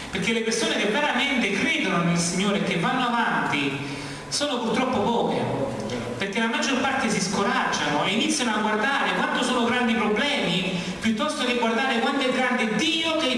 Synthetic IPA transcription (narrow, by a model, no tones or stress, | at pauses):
perk̟elːepersoːnekevːeɾament̪ekːɾeːd̪ononilsiɲːoːɾek̟ːevːanːoavant̪i | soːnopurt̪ɾɔpːopɔːkjḛ | perk̟elamad͡ʒːorpart̪esiskoɾad͡ʒːanoeinit̪sːjanoaɡward̪aːɾekwant̪osoːnoɡɾand̪ipɾoblɛːmi | pjut̪ːɔst̪okeɡward̪aːɾekwand̪oɛɡɾand̪ed̪iːoke